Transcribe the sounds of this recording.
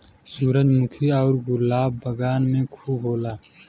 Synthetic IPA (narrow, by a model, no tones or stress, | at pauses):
suːɾəd͡ʒmʊkʰiɔːɾɡʊlaːbːəɡaːnmẽkʰuːbɦoːlaː